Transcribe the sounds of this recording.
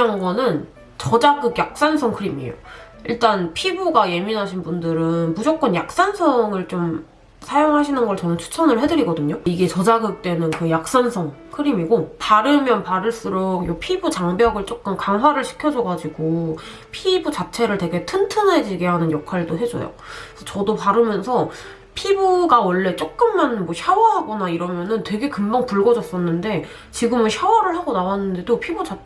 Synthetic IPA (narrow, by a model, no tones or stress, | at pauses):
anɡʌnɯn | t͡ɕʌd͡ʑaɡɯɡjak̚s͈ansʰʌŋkʰɯɾimio̰iɭt͈anpʰibuɡaje̞minɦaɕʰinbundɯɾɯnmud͡ʑok͈ʌnjak̚s͈ansʰʌŋɯɭt͡ɕom | sʰajoŋɦaɕʰinɯnɡʌɭt͡ɕʌnɯnt͡ɕʰu̥t͡ɕʰʌnɯɭɦe̞dɯɾiɡʌdɯɲoiɡe̞t͡ɕʌd͡ʑaɡɯk̚t͈we̞nɯnkɯjak̚s͈ansʰʌŋ | kʰɯɾimiɡotaɾɯmjʌnpaɾɯɭs͈ɯɾokjopʰibut͡ɕaŋbjʌɡɯɭt͡ɕ͈ok̚k͈ɯmkaŋɦwaɾɯɭɕʰi̥kʰjʌd͡ʑʌɡad͡ʑiɡo | pʰibut͡ɕat͡ɕʰe̞ɾɯɭtwe̞ɡe̞tʰɯntʰɯne̞d͡ʑiɡeɦanɯnjʌkʰwaɭdoɦe̞d͡ʑʌ̰jo̰sʰʌt͡ɕʌdopaɾɯmjʌnsʰʌ | pʰibuɡawʌɭːe̞t͡ɕ͈ok̚k͈ɯnmanmwʌɕʰjʌwaɦaɡʌnaiɾʌmjʌnɯntwe̞ɡe̞kɯmbʌŋpuɭɡʌd͡ʑʌs͈ʌnːɯnde̞ | t͡ɕiɡɯmɯnɕʰjʌwaɾɯɭɦaɡonawanːɯnde̞dopʰibud͡ʑa